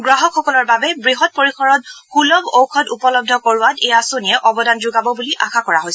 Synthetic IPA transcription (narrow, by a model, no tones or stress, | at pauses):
ɡɹaɦɔkxɔkɔlɔɹbabɛbɹiɦɔt̚poɹikʰɔɹɔt̚xulɔbowkʰɔtupɔlɔb̚dʱɔkoɹʊwatejasoniɛʔɔbɔdanzʊɡabɔbuliʔaxʰakɔɹaɦojsɛ